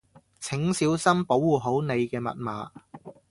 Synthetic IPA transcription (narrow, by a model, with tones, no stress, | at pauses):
t͡sʰɪ˨˥ŋsiː˨˥wsɐ˥mpo˨˥wːuː˨˩ɦo˨˥wne˨˧jkɛː˧mɐ̰˨t̚maː˨